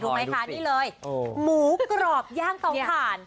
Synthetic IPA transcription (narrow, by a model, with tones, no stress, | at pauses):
duː˧ma˦˥jkʰa˦˧˩niː˥˩lɤː˧jmuː˨˩˦kɾɔː˨˩p̚jaː˥˩ŋka˨˦wpʰaː˨˩˦n